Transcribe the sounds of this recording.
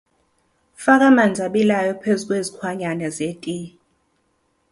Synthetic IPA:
fak̬ʼamand͡zʱaɓilajɔpʰezuk̬ʼwezikʰwaɲanɛzetʼi

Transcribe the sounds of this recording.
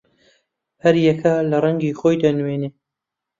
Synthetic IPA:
hɐɾjɛkʰɐlɐrˤɐŋɡiːxoːjd̪anweneː

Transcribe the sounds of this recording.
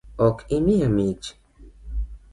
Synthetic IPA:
okʰimiamit͡ʃ

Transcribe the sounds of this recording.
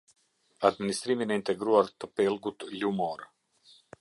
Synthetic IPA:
ad̪minist̪ɾimʲinint̪ɛɡɾuaɾt̪ɔpelˠɡut̪lʲumɔɾ

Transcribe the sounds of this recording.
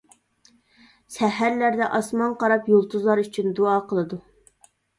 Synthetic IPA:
sɛɦæɾlæɾd̪ɛʔɑsmɑnqɑɾɑpjolˠt̪ʰuzlˠɑɾyt͡ʃʰynd̪uɑːqʰəlˠɨd̪u

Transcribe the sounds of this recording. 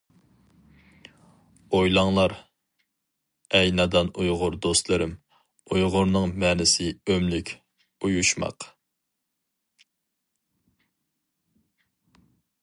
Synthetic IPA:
ojlˠɑŋlˠɑɾ | ɛjnɑd̪ɑnujʁʊɾd̪ost̪lˠɨɾɪm | ujʁʊɾnɨŋmɛːnɪsɪømlɪkʲ | ujuʃmɑ̰q

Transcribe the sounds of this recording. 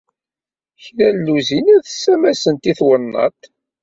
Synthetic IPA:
çɾælːuzinæðəsːæmæsənt̪iθwənːɑ̰t̪

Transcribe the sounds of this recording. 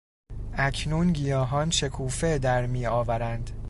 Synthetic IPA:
ʔæcʰnuːnɟijɒːɦɒːnʃe̞kʰuːfed̪æɾmiːɒːvæɾænd̪

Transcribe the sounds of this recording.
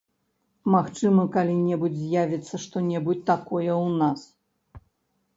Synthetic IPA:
maxt͡ʂɨmɐkalʲinʲɛbud͡zʲzʲjavʲit̪sːɐʂt̪ɔnʲɛbut͡sʲt̪akɔjɛwnas

